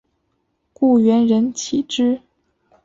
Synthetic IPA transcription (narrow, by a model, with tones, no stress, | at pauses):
ku˥˩ɥɛ˧˥nɻə˧˥nt͡ɕʰi˨˩ʈ͡ʂɻ̩˥